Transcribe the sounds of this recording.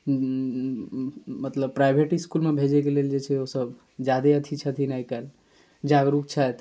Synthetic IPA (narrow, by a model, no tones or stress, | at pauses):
mət̪ləb̚pɾajbʱeʈiskulmebʱed͡ʒekeleld͡ʒet͡ʃʰɛosəb | d͡ʒad̪eət̪ʰit͡ʃʰət̪ʰinaikal | d͡ʒaɡɾuk̚t͡ʃʰajt̪